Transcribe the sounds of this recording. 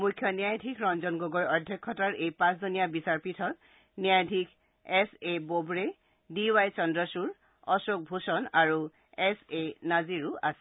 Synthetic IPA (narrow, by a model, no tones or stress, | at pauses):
mujkʰːjɔnijajdʱikʰɹɔnzɔnɡoɡɔjɔdʱjɔkʰːɔtaɹʔejpãszunijabisaɹpitʰɔt | nijajdʱikʰ | ɛsebobɹe | diwajt͡ʃɔndɹɔsuɹ | ɔsok̚bʱusɔnaɹu | ɛsenaziɹua̰sɛ